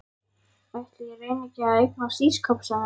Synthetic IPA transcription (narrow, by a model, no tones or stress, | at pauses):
ajht̪lɪjɛveːjnɪcɪaejk̚nḁsiːskʰœpsan